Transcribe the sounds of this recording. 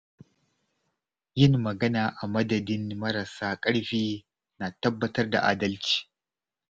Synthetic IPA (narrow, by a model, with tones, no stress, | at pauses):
jɪ˦nːɐ˨ɡɐ˦naː˨ʔa˨mɐ˦dɐ˨dɪ˦nmɐ˦ɾɐ˨saː˦kʼɐ˦ɽɸiː˦ | naː˨tɐ˦bːɐ˦tɐ˦rda̰˨ʔa̰ː˨dɐ˦lt͡ʃi̥ː˨